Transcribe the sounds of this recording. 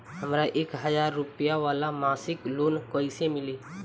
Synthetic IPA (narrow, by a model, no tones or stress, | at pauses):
ɦəmɾaʔeːkɦəd͡ʒaːɾːʊpijaʋaːlamaːsɪkloːnkəɪsemɪleː